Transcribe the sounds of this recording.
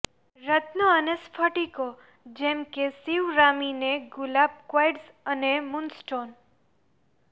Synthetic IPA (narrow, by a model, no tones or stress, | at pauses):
ɾət̪noənespʰəʈiko | d͡ʒɛmkesiʋɾamineɡʊlab̚kwajɖs | ənemunsʈon